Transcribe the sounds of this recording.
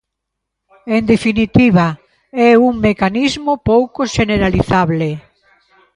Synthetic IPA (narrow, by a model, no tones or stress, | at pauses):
end̪efinit̪iβa | ɛuŋmekanizmopowkoʃeneɾaliθaβle